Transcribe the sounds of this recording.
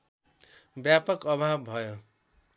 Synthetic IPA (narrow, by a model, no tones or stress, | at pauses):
bjapʌkʌbʱabːʱʌjo